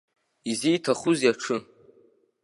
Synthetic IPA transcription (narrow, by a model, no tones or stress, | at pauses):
izijtʰaχʊzjaʈ͡ʂʰɨ